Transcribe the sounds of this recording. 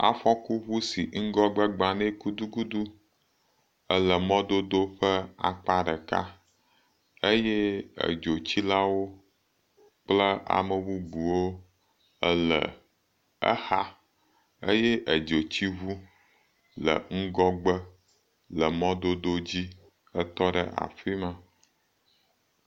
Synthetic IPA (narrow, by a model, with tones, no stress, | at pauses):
a̰˨ɸɔ˦ku˦βu˦si˨ŋ̩˦ɡɔ˦ɡ͡bə˦ɡ͡ba˨nɛ̃˦ku˦d̪u˦ɡu˦d̪u˦ | ə˦lə˨mɔ̃˦d̪o˦d̪o˦ɸə˦a̰˨k͡pa˦ɖɛ˨ka̰˦ | e˦jɛ˦ə̰˨d͡ʒo˨t͡ɕi˦la˦wo˦ | k͡plə˦a̰˨mə˨wu˦ɡ͡bu˨wo˦ | ə˦lə̰˨ | ə̰˦ha˦ | e˦jɛ˦ʔə˨d͡ʒo˨t͡ɕi˦βu˦ | lə̰˨ŋ̩˦ɡɔ˦ɡ͡bə˦ | lə˨mɔ̃˦d̪o˦d̪o˦d͡ʑi˦ | ə˦t̪ɔ˦ɖə̰˨ʔa̰˨fi˦mə̃˨